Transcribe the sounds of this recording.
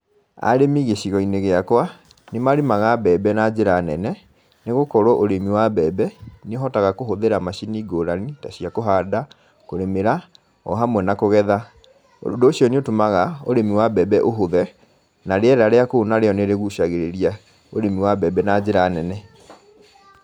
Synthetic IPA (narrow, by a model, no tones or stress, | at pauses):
a̰ɾemiɣeɕiɣɔineɣeakwa | nemaɾemaɣabɛbɛnad͡ʑeɾaːnɛnɛ | neɣokɔɾoʔoɾemiwabɛbɛneoɦɔtaɣakoɦoðeɾamaɕiniːɡoɾanitaɕiakoɦaːda | koɾemeɾa | ɔ̰ɦamwɛnakoɣɛða | o̰ndoːɕijɔniotomaɣaoɾemiwabɛbɛʔoɦoðɛ | naɾeɛɾaɾeakoonaɾeɔneɾeɣuɕaɣeɾeɾia | oɾemiwabɛbɛnad͡ʑeɾaːnɛnɛ